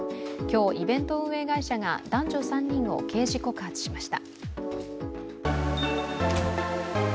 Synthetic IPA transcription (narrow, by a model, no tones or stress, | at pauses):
kʲo̞ːʔibẽ̞nt̪o̞ɯ̃ɰ̃e̞ɡaiɕaɡa̰d̪ãɲ̟d͡ʑo̞sãɲ̟ːĩɰ̃o̞̰ke̞ːʑiko̞kaːt͡sɨ̥ɕimaɕi̥t̪a